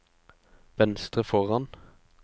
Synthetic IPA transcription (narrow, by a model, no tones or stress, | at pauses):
ʋɛnst̪ʁəfɔʁɑn